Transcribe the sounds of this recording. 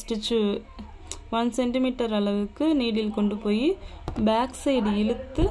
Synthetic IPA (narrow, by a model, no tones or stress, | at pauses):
sʈɪt͡ʃːu | ʋɐnsɛɳʈɪmiːʈːɐɾɐɭɐʋɯkːɯniːɽɪlkɔɳɖɯpoːji | baːksɐɪɖɪɻɯt̪ːɯ